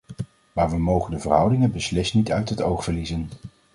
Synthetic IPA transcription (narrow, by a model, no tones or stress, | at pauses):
maːɹʋəmowχəndəvərɦʌwdɪŋənbəslɪsnitœɥtɦətowχfəɹlizən